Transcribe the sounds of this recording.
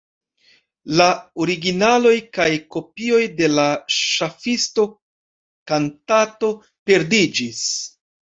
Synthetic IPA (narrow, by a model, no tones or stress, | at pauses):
laoɾiɡinalo̞jkajko̞pio̞jde̞laʃafisto̞ | kantato̞ | pe̞ɾdid͡ʒis